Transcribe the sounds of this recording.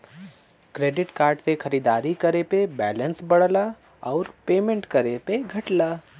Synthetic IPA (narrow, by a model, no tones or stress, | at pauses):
kɾeːɖɪʈkaːɾɖsexɐɾiːd̪aːɾikɐɾepebɛːlə̃nsbɐɽla | ɔːɾpeːmẽɳʈkɐɾepeɡʱɐʈlaː